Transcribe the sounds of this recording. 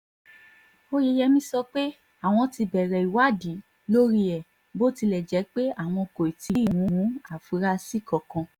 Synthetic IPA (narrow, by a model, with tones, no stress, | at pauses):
o˦je˧jɛ˧mĩ˧˦sɔ˧k͡pe˦ | a˦˨w̃ɔ̃˧ti˧bɛ˨ɾɛ˨i˨wa˦˨di˨˦ | lo˦ɾi˧ɛ˨ | bo˦ti˧lɛ˨d͡ʒɛ˨˦k͡pe˦a˦˨w̃ɔ̃˧ko˨i˨ti˨˧˦i˨wũ˨˦wũ˨˦a˨fu˨˦ɾa˧si˦˨kɔ˨kɔ̃˧